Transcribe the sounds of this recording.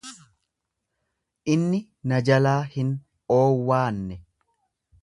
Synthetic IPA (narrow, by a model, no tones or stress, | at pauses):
ʔɪnːɪ | nɐd͡ʒɐlaːhɪn | oːwːaːnːɛ